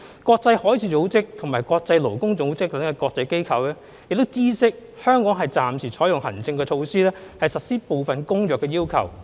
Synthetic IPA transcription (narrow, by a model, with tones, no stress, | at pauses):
kɔː˧k̚t͡sɐ˧jhɔː˨˥jt͡sʰiː˨˥t͡so˨˥wt͡sɪ˥k̚t̪ʰŋmaː˨˩jkɔː˧k̚t͡sɐ˧jlo˨˩wkʊ˥ŋt͡so˨˥wt͡sɪ˥k̚t̪ɐ˨˥ŋɛ˨˧kɔː˧k̚t͡sɐ˧jke˥jkʰɐ˨˧wɛː˥ | jɪ˨k̚t̪o˥wt͡siː˥sɪ˥k̚hœː˥ŋkɔː˨˥ŋɦɐ˨˩jt͡saː˨msiː˨˩t͡ʃʰɔː˨˥jʊ˨ŋhɐ̰˨˩nt͡sɪ˧ŋkɛː˧t͡ʃʰo˧wsiː˥lɛː˥hɐ˨jsɐ˨t̚siː˥po˨wfɐ˨nkʊ˥ŋjœː˨˩kːɛː˧jiː˥wkʰɐ̰˨˩w